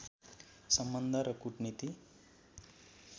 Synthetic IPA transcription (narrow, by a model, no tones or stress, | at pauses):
sʌmbʌnd̪ʱaɾʌkuʈnit̪i